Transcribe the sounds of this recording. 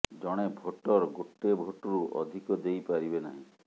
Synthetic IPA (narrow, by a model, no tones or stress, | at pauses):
d͡ʒɔɽ̃ebʱoʈɔɾɡoʈːebʱoʈɔɾuʔɔ̰d̪ʱikɔd̪ejpaɾibenaɦĩ